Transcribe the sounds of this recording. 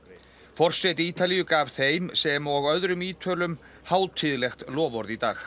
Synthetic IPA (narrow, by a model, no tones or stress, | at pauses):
fɔr̥sejt̪ɪiːt̪alijʏkaːv̥θejmsɛmɔɣœðɾʏmiːt̪ʰœːlʏm | haːw̪t̪ʰɪðlɛxt̪lɔːvɔɾðit̪a̰ːx